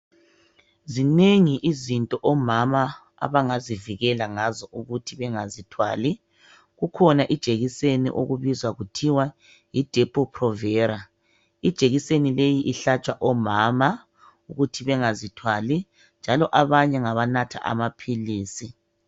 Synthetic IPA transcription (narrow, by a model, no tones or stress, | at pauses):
zineŋiʔizintʼɔʔɔmama | a̰βaŋaziviɣɛlaŋazɔʔuɣutʰiβɛŋazitʰwa̰ːli | ɣukʰɔnaʔid̥ʒ̥ʱeɣisenḭʔo̰ɣuβizwaɣutʰiwa | jid̥ʱepʰʼɔpʰrɔvɛːɾa | id̥ʒ̥ʱeɣisenilejiʔiɬat͡ʃʼwaʔɔmaːma | uɣutʰiβɛŋazitʰwali | nd͡ʒʱalɔʔaβaɲɛŋaβanatʰa̰ʔa̰mapʰiliːsi